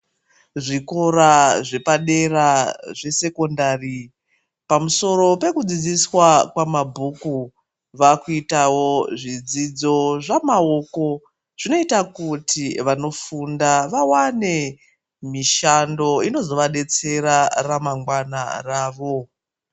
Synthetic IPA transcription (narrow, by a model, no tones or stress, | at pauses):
ʐiko̞ɾaʐe̞paɗe̞raʐe̞se̞ko̞ndari | pamuso̞ɾo̞pe̞kud͡zid͡ziswakwamabʱuku | ʋakuitawo̞ʐid͡zid͡zo̞ʐamao̞ko̞ | ʐ̥ino̞itakutʰiʋano̞fundaʋawane̞ | miʃando̞ino̞zo̞ʋaɗe̞t͡se̞ɾaramaŋɡwana̰raːʋo̞